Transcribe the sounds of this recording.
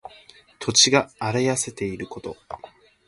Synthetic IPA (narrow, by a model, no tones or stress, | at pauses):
t̪ʰo̞t͡ɕiɡaːɾajase̞t̪e̞iɾɯ̟ko̞t̪o̞̰